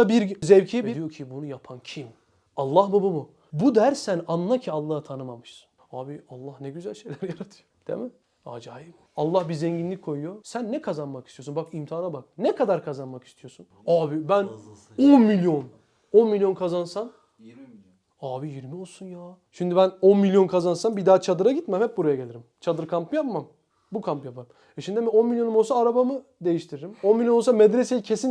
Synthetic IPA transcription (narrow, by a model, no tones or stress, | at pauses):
abiɾzɛvcʰijɛdbid̪ijo̞cʰibunujapʰancʰim | alˠːahbabamu | bud̪æɾsænanːˠacʰialˠːaːhɯt̪ʰanɯmamɯʃsɯ̥n | aːbialˠːahnɛɟyzælʲʃe̞jlʲæɾijaɾat̪ʰɯ̥jod̪̥ḛmɪ | a̰ːd͡ʒaːjim | alˠːahbiɾzɛɲɟinlʲic̚ʲkʰːo̞jujosænːɛkʰazanmakʰi̥st̪ʰio̞sunbakimt̪ʰiaːnabak̚nɛkʰad̪aɾkʰazanmaki̥st̪ʰijo̞sunaːbibæn | onmilʲjo̞n | o̞nmilʲjo̞nkʰazansan | aːbijiɾmio̞lˠsunjaːʃimd̪ibæno̞nmilʲjo̞nkʰazansanbid̪aːt͡ʃʰad̪ɯɾaɟit̪mɛmhɛp̚buɾajaɟelʲiɾimt͡ʃʰad̪ɯɾkʰampɯjapmam | bukʰampjapʰaɾɯm | ɛʃimd̪imio̞nmilʲjo̞numo̞lˠsaːɾabamɯd̪e̞jiʃt̪ʰiɾeɾimo̞nmilʲjonˠsamɛd̪ɾesejicʰe̞sin